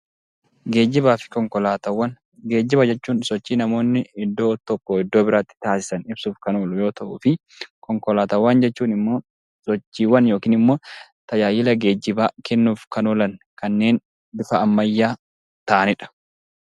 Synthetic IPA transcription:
ɡe̞ːd͡ʒːɪbaːfɪ̥kɔŋkɔlaːt̪ɐwːɐn | ɡe̞ːd͡ʒːɪbɐd͡ʒɛt͡ʃːuːnsɔt͡ʃːiːnɐmo̞ːnːɪɪd̪ːo̞ːt̪ɔkːɔɪd̪ːo̞ːbɪɾaːt̪ːɪ̥t̪aːsɪ̥sɐnɪbsuːfkɐnoːlʊjo̞ːt̪ɐʔuːfɪ | kɔŋkɔlaːt̪ɐwːɐnd͡ʒɛt͡ʃːuːnɪmːo̞ː | sɔt͡ʃːiːwːɐnjo̞ːkiːnɪmːo̞ːt̪ɐjaːjɪlɐɡe̞ːd͡ʒːɪbaːkɛnːuːfkɐnɔlɐn | kɐnːe̞ːn | bɪfɐɐmːɐjːaː | t̪ɐʔɐnɪᶑɐ̥

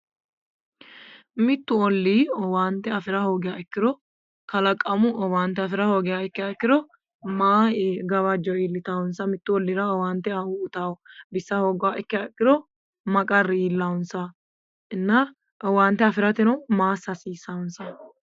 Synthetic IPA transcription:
mɪt̪ːʊɔlːiːɔwaːnt̪ːɛɐfɪɾɐho̞ːɡɪjaɛkːɪd̪ɔ | kɐlɐkʼːɐmʊɔwaːnt̪ːɛɐfɪɾɐho̞ːɡɪjaːɛkːɪakːɪd̪ɔ | maːeɡɐβɐd͡ʒɔiːlːɪt̪awʊnsɐmɪt̪ːʊɔlːɪɾɐɔwaːnt̪ːɛɐʊʊt̪aːwɔbɪsːɐho̞ːɡʊwaːʔɛkːɪaɛkːɪd̪ɔ | mɐkʼɐrːɪiːlːawʊnsɐ | ɪnːɐ | ʔɔwaːnt̪ːɛɐfɪɾɐt̪ɛnɔmaːsːɐsiːsaʊnsɐ

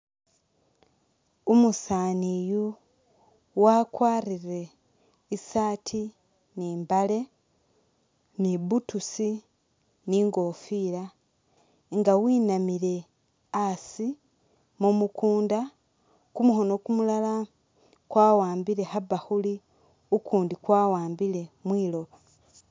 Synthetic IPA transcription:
umusaːniju | wakwaːrire̞ | isaːtʰi | niːmbale̞ | niβutusi | niːŋɡo̞ːfiɾa | ŋɡawiːnamile̞ | asi | mumukuːnda | kumuho̞no̞kumulala | kwaːwaːmbile̞haβaxuli | ukʰuːndikwaːwaːmbile̞mwiːlo̞βa

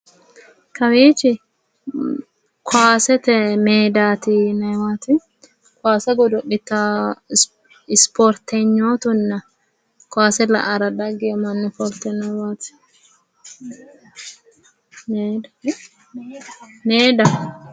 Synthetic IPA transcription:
kɐwiːt͡ʃɪ | kʰʊaːsɛt̪ɛmeːd̪aːt̪ɪnɐjwaːt̪ɪ | kaːsɛɡɔd̪ʊʔɪt̪ːɐ | ɪspɔɾt̪ɛɲːoːt̪ʊnːɐ | kʊaːsɛlɐ̰ʔɐɾɐd̪ɐɡɪjɔmɐnːʊfɔɾt̪ːɛnɐjwaːt̪ɪ̥ | meːd̪ɐ

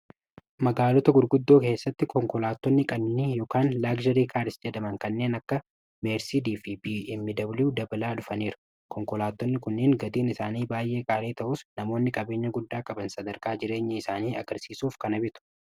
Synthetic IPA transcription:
mɐɡaːlɔt̪ɐɡʊɾɡʊd̪ːo̞ːke̞ːsːɐt̪ːɪkɔŋkɔlaːt̪ːɔnːɪkʼɐnːɪjɔːkaːnlaːɡd͡ʒɐɾiːkʰaːɾɪsd͡ʒɛd̪ɐmɐŋkɐnːe̞ːnɐkːɐ | meːɾsiːd̪iːfɪibiːɪmːɪd̪ɐbluːd̪ɐbɐlaːᶑʊfɐneːɾʊ̥ | kʰɔŋkɔlaːt̪ːɔnːɪkʊnːɪŋɡɐd̪iːnɪsaːniːbaːjʔe̞ːkʼaːleːt̪ɐʔʊsnɐmo̞ːnːɪkʼɐbe̞ːɲːɐɡʊd̪ːaːkʼɐbɐnsɐd̪ɐɾkaːd͡ʒɪɾe̞ːɲːɐɪsaːniːɐ̰ɡɐɾsiːsuːfkɐnɐbɪt̪ʊ̥

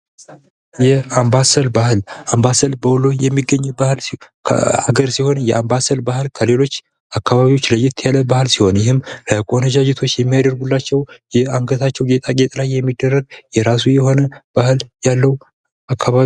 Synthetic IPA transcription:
jɛambasəlbahlambasəlbəwlojɛmːiɡəɲːɛbahl̰ʰ | a̰ɡəɾsiho̞njɛʔambasəlbahɨlkʰəle̞lo̞t͡ʃː | akːaβaβiwo̞t͡ʃːləjːɪt̪ʰjaləbahlsiho̞njɪhɨmləkʼonəd͡ʒad͡ʒɪt̪ʰo̞t͡ʃːjɛmːijad̪əɾɡulːat͡ʃːɛwjɛaŋɡət̪ʰat͡ʃːɛwɡet̪ʼaɡʼet̪ʼlajːɛmːid̪ːərːəɡ̚jɛɾasujɛɦo̞nəb̥ahɨljalːəw | akʰːaβa

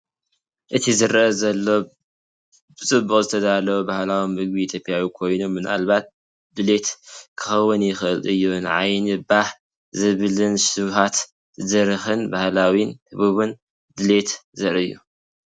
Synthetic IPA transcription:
ʔɨt̪ʰizɨɾɐʔɐzɐlːo̞ | b̥ɨt͡sʼɨbːuχʼzɨt̪ʰɐd̪alɐwubahlawomːɨɡ̚biit̪ʰjo̞pʼjawikʰo̞jno̞mːɨna̰lβat̪̚ | d̪ɨle̞t̪kʰɨxɐwːʊnjɪxɨʔɨlɨjːunʕajnɨbah | zɨβlɨnʃɨβhat̪ | zɐɾɨxɨnbahlawintʰɨβuβɨn | d̪ɨle̞t̪zɐɾɨjːṵ

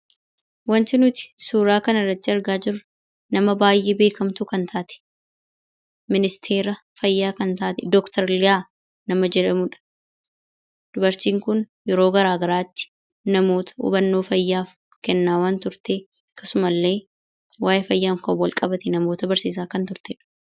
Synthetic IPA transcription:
wɐnt̪ɪnʊt̪ɪ̥suːɾaːkɐnɐrːɐt̪ːɪɐɾɡaːd͡ʒɪɾʊ | nɐmɐbaːjʔeːbe̞ːkɐmt̪uːkɐnt̪ʰaːt̪ɛ̥ | mɪnɪst̪ʰe̞ːɾɐfɐjːaːkɐnt̪aːt̪ɛd̪ɔkt̪ɐɾlɪjaː | nɐmɐd͡ʒɛᶑɐmʊᶑɐ̥ | d̪̥ʊbɐɾt͡ʃiːŋkʊn | jɛɾo̞ːɡɐɾaːɡɐɾaːt̪ːɪ̥ | nɐmo̞ːt̪ʰɐ̥ʊ̰ːbɐnːo̞ːfɐjːaːf | kɛnːaːwaːnt̪ʊɾt̪eː | kːɐsʊmɐlːe̞ː | waːʔɛfɐjːaːŋkɐwɐlkʼɐbɐt̪ɛnɐmo̞ːt̪ɐbɐɾsiːs̬aːkɐnt̪ʊɾt̪ɛᶑɐ̥

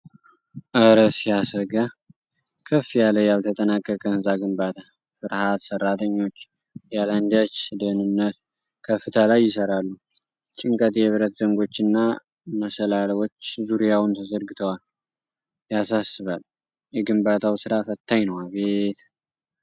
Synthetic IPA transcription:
ʔəɾəsijasəɡa | kʰəfːijaləjalt̪ʰət̪ʼənakʼːəkʼənzaɡɨmbat̪ʰa | fɨɾhat̪sərːat̪ʰəɲːo̞t͡ʃː | jaland̪at͡ʃːd̪ənɨnːət̪ | kʰəfːɨt̪ʰəlajːɪsəɾalːu | t͡ʃʼɪŋkʼət̪jɛβɨɾət̪zəŋɡo̞t͡ʃːɨnːa | məsəlalwo̞t͡ʃːzuɾijawnt̪ʰəzəɾɡɨt̪ʰəwal | jasasːɨβal | jɛɡɨmbat̪ʰawsɨɾafət̪ʰːajnəwaβet̪

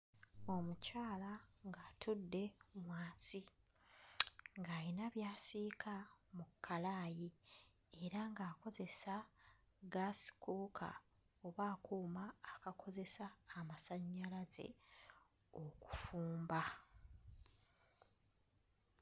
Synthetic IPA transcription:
o̞mucaːlaŋɡaːtʰudːe̞mwaːnsi | ŋɡaːɾinaβjaːsiːkʰamukʰːalaːji | e̞ɾaŋɡaːko̞ze̞sa | ɡasi̥kukʰa̰ | oβaːkuːmaːkakʰo̞ze̞saːmasaɲːalaze̞̰ | o̞ku̥fuːmba

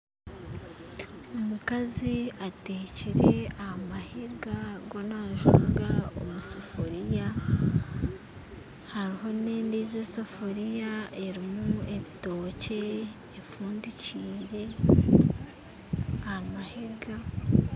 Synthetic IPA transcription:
omukaziateːciɾe̞ahamahiɡaɡo̞naʒṵɡao̰musofoɾija | haɾiɦo̞neːndiːzesofoɾijae̞ɾimue̞βito̞ːce̞ː | fuːndiciːɾe̞ | ahamahiɡa

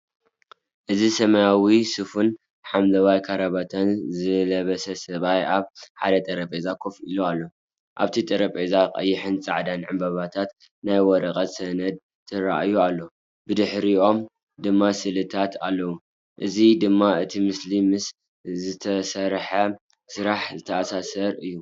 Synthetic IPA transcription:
ʔɨzisɐmɐjawisɨfun | ħamlɐwajkʰɐɾɐβat̪ʰɐnzɨlɐβɐsɐsɐβajaβħad̪ɐt̪ʼɐɾɐpʼezakʰofʔilualːo̞ | ʔa̰βt̪ʰit̪ʼɐɾɐpʼezaqʼɐ̰jːɪħɨnt͡sʼa̰ʕd̪anʕɨmbɐβat̪ʰat̪ | najwɔɾɐqʼɐt̪sɐnɐd̪̚ | t̪ʰɨɾaʔjualːo̞ | bɨd̪ɨħɾiʔo̞m | d̪ɨmːasɨlɨt̪ʰat̪ʰalːɐwu | ʔɨzid̪ɨmːaɨt̪ʰimɨslimɨs | zɨt̪ʰɐsɐɾħɐ | sɨɾaħzɨt̪ʰɐʔasasɐɾɨjːu

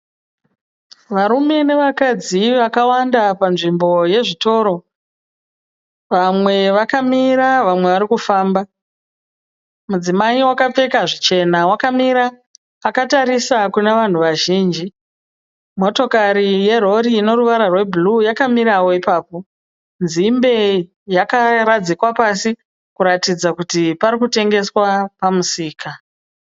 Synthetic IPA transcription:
ʋaɾume̞ne̞ʋakad͡ziʋakawandapanʐimbo̞je̞ʐito̞ːɾo̞ | ʋamwe̞ʋakamiɾaʋamwe̞ʋaɾikufaːmba | mud͡zimaiwakap͡fe̞kaʐit͡ʃe̞nawakamiɾaː | kataɾisakuneʋan̤uʋaʒiːnd͡ʒi | mo̞to̞kaɾije̞ro̞ɾiːno̞ruʋaɾarwe̞bʱulujakamiɾawo̞ipaːpo̞ | nzimbe̞ | jakaɾad͡zikwapasi | kuɾatid͡zakutiparikute̞ŋɡe̞swapamusiːka

